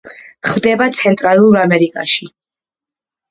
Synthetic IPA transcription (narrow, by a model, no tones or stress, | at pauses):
χmd̪ɛbat̪sʰɛnt̪ʼɾalˠuɾamɛɾikʼa̰ʃi